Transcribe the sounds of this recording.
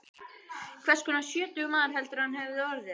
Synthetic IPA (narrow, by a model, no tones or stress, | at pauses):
kʰvɛrskʰɔnasjœːt̪ʏɣmaːðaɾ̥ɦɛlt̪ʏɾhanhɛvɪðɔɾðɪ